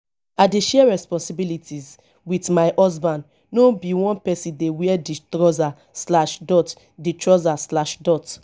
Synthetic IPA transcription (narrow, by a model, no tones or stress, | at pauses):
aɪdeʃɛɹɛspɔ̃nsibilitʰiz | witmaɪʔɔzbãn | nobiwɔ̃npɛsĩndewiɛditɹɔza | slaʃdɔt | ditɹɔzaslaʃdɔt